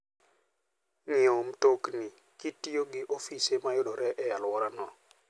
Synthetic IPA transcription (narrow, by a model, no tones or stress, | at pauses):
nɪom̩toknɪ | kitioɡɪʔofisemajʊɗɔɾɛʔɛjalwɔɾanɔ